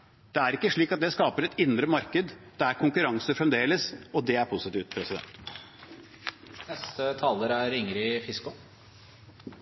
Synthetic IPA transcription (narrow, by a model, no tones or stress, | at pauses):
d̪̥ɛæɾɪkːəʂɭiːkɑt̪̚d̪ɛskɑːpəɾɛt̪ɪnd̪ɾəmɑɾkəd̪d̪̥ɛæɾkʰʊŋkʉɾɑŋsəfɾɛmd̪eːləsɔd̪ɛæɾpʰʊsɪt̪iːʋt̪̚pʰɾɛsɪd̪ɛ̰nt̪ | nɛst̪ət̪ʰɑːləɾæɾɪŋɾɪfɪskʊ